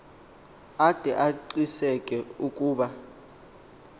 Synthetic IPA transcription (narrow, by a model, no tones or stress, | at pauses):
ad̥ʱɛʔaǀisɛkʼɛukʼuːɓa